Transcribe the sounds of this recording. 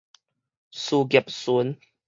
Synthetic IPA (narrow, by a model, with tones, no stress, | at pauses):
su˧ɡi˨˩˨p̚su˨˦n